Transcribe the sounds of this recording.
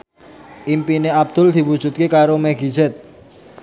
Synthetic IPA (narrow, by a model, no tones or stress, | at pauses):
ʔimpineab̚d̪̥ʊ̤ld̪̥i̤wu̥ʒ̥ṳt̪̚kekaɾomɛɡizɛt̪̚